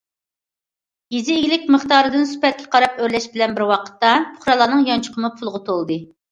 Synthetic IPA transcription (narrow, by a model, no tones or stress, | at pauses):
jizɪːɡʲlɪkʲməχt̪ɑːɾɨd̪ɨnsy̥pɛt̪̚kʲʰɛ̥qʰɑɾɑpøɾlɛʃbɪlɛnbɪɾwɑqʰə̥t̪ːɑpʰʊ̥χɾɑlˠɑːnɨŋjɑnt͡ʃʰʊ̥qʰəmupʰulˠʁʊt̪ʰolˠd̪ɨ